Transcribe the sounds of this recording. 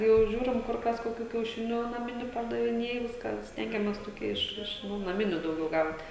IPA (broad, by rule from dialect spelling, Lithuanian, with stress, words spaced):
jɛʊ ˈʒʲuːrʲɪm ˈkʊr ˈkɐs koːˈkʲuː kʲɛʊˈʃʲɪnʲuː nɐˈmʲɪnʲuː pɐrdɐʋʲɪˈnʲeːj ˈʋʲɪskɑː ˈsʲtʲɛŋʲɡʲɛmʲeːs toːˈkʲiɛ ˈɪʃ ˈɪʃ nʊ nɐˈmʲɪnʲʊ dɐʊˈɡʲɛʊ ˈɡɐʊt